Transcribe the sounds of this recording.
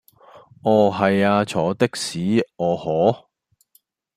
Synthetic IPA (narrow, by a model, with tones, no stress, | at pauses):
ʔɔː˨˩ɦɐ˨jaː˧t͡ʃʰɔː˨˥t̪ɪ˥k̚siː˨˥ɔː˨˧hɔː˨˥